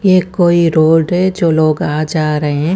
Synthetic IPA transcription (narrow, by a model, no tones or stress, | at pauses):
jekoːiɾoːlɖɦɛd͡ʒoːloːɡaːd͡ʒaːɾəɦeɦɛ̃ː